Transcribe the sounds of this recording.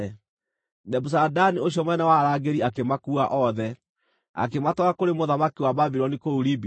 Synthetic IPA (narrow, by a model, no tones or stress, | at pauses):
nɛbus̬adanioɕiɔmwɛnɛwaɾaːɡeɾiakemakuaʔɔðɛ | a̰kematɔakoɾemoðamakiwababiɾɔnikouɾibi